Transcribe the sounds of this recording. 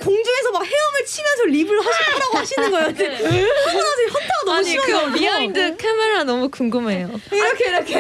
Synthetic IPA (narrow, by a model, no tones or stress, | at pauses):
koŋd͡ʑue̞sʰʌmak̚he̞ʌmɯɭt͡ɕʰimjʌsʰʌʎibɯɭɦaɕiaɾaɡoɦaɕʰinɯnɡʌejod͡ʑihaʌnad͡ʑiʌnt͈ʰaɡanʌimiaindɯkʰemeɾanʌmukuŋɡɯme̞joiɾʌkʰeiɾʌkʰe